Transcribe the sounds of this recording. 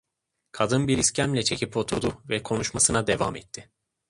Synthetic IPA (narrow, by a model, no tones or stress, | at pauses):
kʰad̪ɯnbiɾiscʰænlʲɛt͡ʃʰe̞cʰipo̞t̪ʰuɾd̪uvɛkʰo̞nuʃmasɯnad̪e̞va̰mɛt̪ʰːɪ